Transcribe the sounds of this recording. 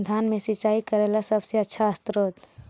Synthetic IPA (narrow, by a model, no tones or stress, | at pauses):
d̪ʱaːnmẽsɪt͡ʃaːikəɾeːlasəbseətːʃʰaəst̪ɾoːt̪